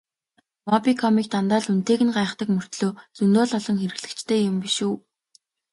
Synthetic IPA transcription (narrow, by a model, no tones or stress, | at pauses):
mɔpikʰɔmiːk̚t̪ʰant̪aːɮun̥t̪eːɣɘ̆nɢaːχt̪ə̆kmɵr̥t̪ɮoːt͡sɵnt̪oːɮɔɮɞ̆ŋxeɾɘ̆ɣɮɘ̆kt͡ɕt̪ʰeːjʊmpiʃuː